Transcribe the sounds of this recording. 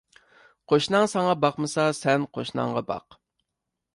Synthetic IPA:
qʰoʃnɑŋsɑɴɑbɑqmɨsɑsɛnqʰo̰ʃnɑ̰ŋʁɑbɑ̰q

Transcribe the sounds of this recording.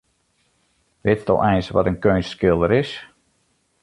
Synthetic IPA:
ʋɪttɔ̰ʔɛjnsʋɔ̰tənkøːnsskɪlˠdəɾɪs

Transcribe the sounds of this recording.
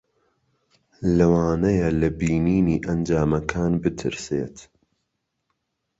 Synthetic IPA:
lɐwaːnɐjɐlɐbiːniːniːʔɐnd͡ʒaːmɐkʰaːnbɨt̪ʰɨ̰ɾsḛːt̪

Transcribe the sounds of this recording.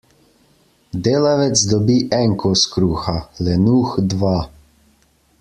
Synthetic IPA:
d̪eːlaʋɛt̪sd̪ɔbiʔɛŋkʰɔskɾuːxalɛnuːxd̪ʋa

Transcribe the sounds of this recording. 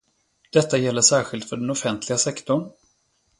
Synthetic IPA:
d̪̥ɛt̪ːajɛlːəʂæːɾɧɪlt̪fœɖɛnɔfɛnt̪ʰlɪɡasɛkt̪ʊɳ

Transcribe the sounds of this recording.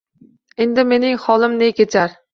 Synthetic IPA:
end̪ɪme̞nɪŋχɒlˠɪmnekʲʰet͡ʃʰaɾ

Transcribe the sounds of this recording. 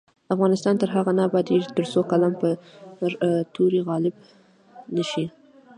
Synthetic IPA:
afɣɑnɪst̪ɑnt̪əɾɦaɣanɑbɑd̪it̪əɾsokalampə | t̪uɾiɣɑlɪb̚ | nəʃi

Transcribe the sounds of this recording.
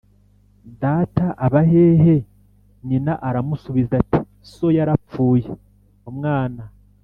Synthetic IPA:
daːtaʔaβaɦe̞ːɦe̞ | ɲinaʔaɾamusuβizati | so̞jaɾap͡fuːje | omŋaːna

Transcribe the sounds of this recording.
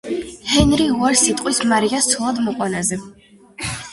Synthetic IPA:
hɛnɾiuaɾsit̪ʼqʼwismaɾiast̪sʰɔlˠad̪mɔqʼwanazɛ

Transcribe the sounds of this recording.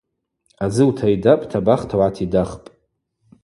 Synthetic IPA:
ad͡zɨwtʰaidapʼtʰabaχtʰawʕatʰidaχpʼ

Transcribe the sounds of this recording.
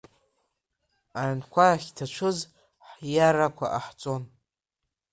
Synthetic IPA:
aʕnkʷʰaaχʲtʰat͡ʃʷʰɨz | ħjaɾakʷʰa̰ʔaħt͡sʼo̞n

